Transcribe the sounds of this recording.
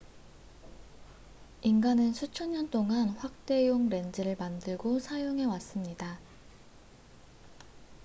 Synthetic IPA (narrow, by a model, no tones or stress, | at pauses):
inɡanɯnsʰut͡ɕʰʌɲɲʌnt͈oŋanɸwak̚t͈e̞joŋɾe̞nd͡ʑɯɾɯɭmandɯɭɡosʰajoŋɦe̞was͈ɯmɲida